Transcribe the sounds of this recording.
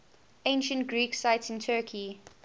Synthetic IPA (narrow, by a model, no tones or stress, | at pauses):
ẽɪ̃nʃə̃ntɡɹiːksaɪtsɪ̃ntʰɜːkʰi